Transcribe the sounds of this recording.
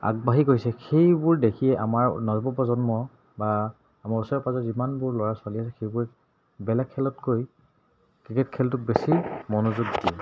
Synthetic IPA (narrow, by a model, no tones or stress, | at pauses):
a̰ɡ̚baɦikoɹisɛxejbʊɹdekʰijɛʔa̰maɹnɔzbɔpɔzɔnmɔ | baː | maɹusɔɹɛpazɔzimanbʊɹlɔɹaswaliasɛxejbʊɹɛ | bɛlaɡkʰːɛlɔtkoj | kɹiketkʰɛltʊbesimɔnozuɡdiɛ